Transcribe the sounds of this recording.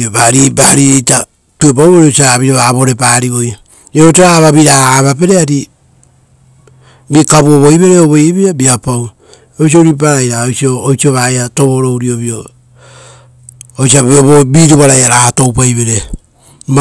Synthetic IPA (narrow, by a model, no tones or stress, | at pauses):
obaɾibahaɾiejta | tue̞p̬awoɾiosiaβioβaβo̞ɾe̞paɾio̞j | eɾot̬eɾaβaβiɾaaβape̞ɾeaɾi | bikaβuoβojβe̞ɾeoβojeβiɾabiapaw | ojs̬io̞ɾip̬aɾajɾaojsio̞ːjsioβaeato̞βo̞ɾo̞wɾio̞βio | ojs̬iaβoβobiɾuβaɾajaɾato̞wp̬ajβe̞ɾe̞ | m